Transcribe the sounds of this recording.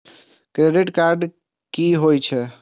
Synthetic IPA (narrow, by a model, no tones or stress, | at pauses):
kɾeɖiʈkaɾɖ | kiɦojt͡ʃʰɛ